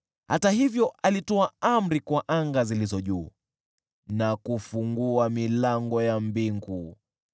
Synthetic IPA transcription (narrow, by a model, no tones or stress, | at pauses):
hatahivjɔʔalitɔaam̩ɾikwaʔaŋɡazilizɔʄuː | nakufuŋɡuamilaŋɡɔjambiŋɡu